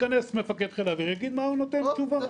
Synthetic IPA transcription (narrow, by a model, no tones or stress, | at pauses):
kanesmefaked̪χelaveʁaɡid̪maunot̪ent͡ʃuva